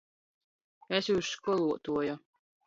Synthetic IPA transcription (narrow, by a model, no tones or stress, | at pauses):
esjuːskɔlˠuɔt̪uɔjɔ